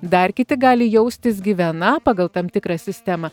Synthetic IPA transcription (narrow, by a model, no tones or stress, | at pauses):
d̪ɐrkʲɪt̪ʲɪɡɑːlʲɪjɛʊsʲt̪ʲɪs̬ɡʲiːʋʲɛnɐpɑːɡɐlˠt̪ɐmt̪ʲɪkɾɑːsʲɪsʲt̪ʲæmɑ